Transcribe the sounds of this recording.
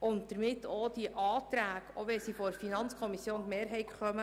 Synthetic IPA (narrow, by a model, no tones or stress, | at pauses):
ʊnt̚d̥̪əɾmɪtːoːd̥iəʔɑːt̪ɾæːɡoʋɛsifɔfinɑnt͡skʰɔmisjoːntmeːɾɦɛɪtχœmə